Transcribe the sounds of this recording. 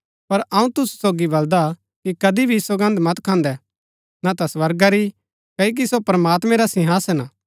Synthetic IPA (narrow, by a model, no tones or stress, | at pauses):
pɐɾɐũt̪ʊsu̥soːɡibɐld̪a | kikɐd̪ibʱisoɡɐ̃nd̪mɐt̪kʰãːnd̪ɛ | nat̪ɐsʋɐɾɡaɾi | kɐik̬isopɾəmaːt̪mɛ̃ɾasɪ̃ɦaːsɛna